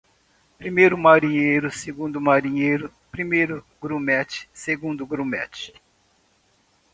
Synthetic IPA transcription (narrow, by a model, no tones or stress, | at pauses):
pɾimejɾʊmaɾĩɲejɾʊseɡũnd̪ʊmaɾĩɲejɾʊ | pɾimejɾʊ | ɡɾũmɛt͡ʃɪ̥seɡũnd̪ʊɡɾũmɛ̰t͡ʃɪ̥